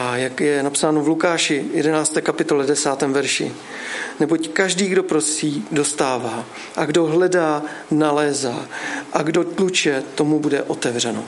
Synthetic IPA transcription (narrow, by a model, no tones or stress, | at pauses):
ajakjɛnapsaːnovlukaːʃɪjɛdɛnaːt͡st̪ɛːkapɪt̪o̞lɛdɛsaːt̪ɛːmvɛɾʃɪ̰ | nɛbo̞ckaʒdiːɡdo̞pɾossiːdo̞st̪aːvaː | ʔaɡdo̞ɦlɛdaːnalɛːzaːʔaɡdo̞t̪lut͡ʃɛt̪o̞mubudɛ̰ʔo̞t̪ɛvr̝ɛno̰